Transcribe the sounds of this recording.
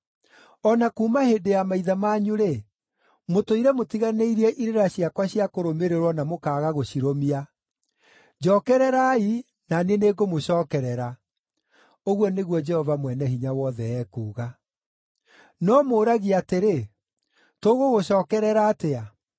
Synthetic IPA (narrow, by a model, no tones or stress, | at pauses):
ɔnakuːmahedejamaiðamaːɲuɾe | motoiɾɛmotiɣaneiɾiɛʔiɾeɾaɕiakwaɕiakoɾomeɾeɾwɔnamokaːɣaɣoɕiɾomia | d͡ʒɔːkɛɾɛɾai | naneneːɡomoɕɔːkɛɾɛɾa | oɣwɔneɣwɔd͡ʒɛhɔvamwɛnɛɦiɲawɔðɛɛːkuːɣa | nɔmoːɾaɣiateɾe | toɣoɣoɕɔːkɛɾɛɾaːtea